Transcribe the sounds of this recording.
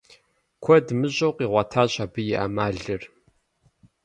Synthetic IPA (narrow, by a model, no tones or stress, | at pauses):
kʷʰɔdmɨɕʼowqiːʁʷɐtʰaːɕʼaːbɨjɪʔa̰maːɮɨr